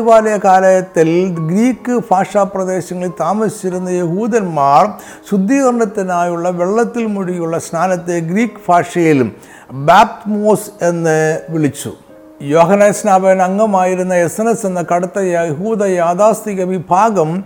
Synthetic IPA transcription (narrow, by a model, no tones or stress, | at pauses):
ʋaːlɐjɐkaːlɐjɐt̪ːilɡɾiːkːɨfʰaːʂaːprɐd̪e̞ːɕɐŋːɐɭilt̪aːmɐsi̥t͡ɕːiɾunːɐjeɦuːd̪ɐnmaːr | ɕud̪ːiːɣɐrɳɐt̪ːinaːjuɭːɐʋe̞ɭːɐt̪ːilmuɽiɣjuɭːɐsnʰaːnɐt̪ːeɡɾiːkːɨfʰaːʂɐjil | baːp̚t̪moːse̞nːɨʋiɭit͡ɕːṵ | joːɦɐnɐsnaːbɐjɐnɐŋːɐmaːjiɾunːɐjesɐnɐsenːɨkɐɽut̪ːɐjɐeɦuːd̪ɐjaːd̪aːst̪iɣɐʋibʱaːɡɐm